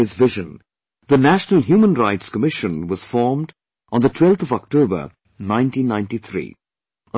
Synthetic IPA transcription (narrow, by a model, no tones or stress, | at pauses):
ɪzvɪʒɨ̃n | ðənæʃnəl̩ˠɦjuːmə̃nɹaɪtskəmɪʃə̃nwʌz̥fɔːɹmd | ʔə̃nðətʰw̥ɛlˠt̪ʌvɔk̚tʰobə̰˞ | nãɪ̃ntĩnːãɪ̃nʈiθʰɾḭː | ə